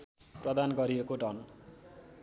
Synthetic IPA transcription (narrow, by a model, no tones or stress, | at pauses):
prʌd̪anɡʌɾiekoɖʌn